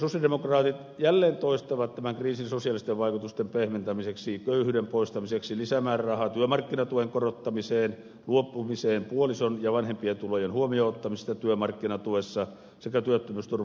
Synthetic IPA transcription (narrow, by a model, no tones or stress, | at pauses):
sosjɑldemokrɑːt̪it̪ | jælːeːnt̪oist̪ɑʋɑt̪t̪æmæŋkriːsinsosijɑlist̪eʋʋɑikut̪ust̪empehment̪æmiseksikøyhyːdempoist̪ɑmiseksilisæmæːrrɑhɑt̪yømɑrkːinɑt̪uʋeŋkorot̪ːɑmiseːn | luopːumiseːmpuolisonjɑʋɑnhempient̪ulojenhuomioːot̪ːɑmist̪ɑt̪yømɑrkːinɑt̪uʋesːɑ | sekæt̪yøt̪ːømyst̪ur